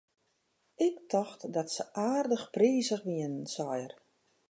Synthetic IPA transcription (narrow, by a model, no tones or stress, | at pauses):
ɪktʰɔxtdɔtsəʔaːrdəxpriːzəxʋiənnsɔjər